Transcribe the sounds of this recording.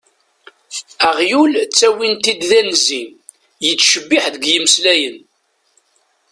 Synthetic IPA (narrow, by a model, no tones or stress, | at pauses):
æʁjult͡sːæwint̪id̪ðænzin | jət͡sːʃəbːɪħðəɡjəməslæjən